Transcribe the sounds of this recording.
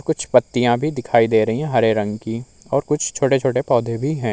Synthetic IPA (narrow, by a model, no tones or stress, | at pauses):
ɾkʊt͡ʃʰpɐt̪ːijãbʱid̪ɪkʰaːid̪eːɾɐɦiɦɛ̃ɦɐɾeɾɐ̃ŋɡki | ɔːɾkʊt͡ʃʰt͡ʃʰoːʈet͡ʃʰoːʈepɔːd̪ʱebʱiɦɛ̃ː